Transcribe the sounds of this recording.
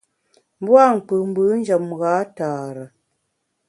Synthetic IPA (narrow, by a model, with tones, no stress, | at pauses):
m˦bwa˦˨ŋ̩˨k͡pɨ˨m̩˦bɨ˨˦n̩˦d͡ʒə˨mɣaː˨˦taː˨ɾə˨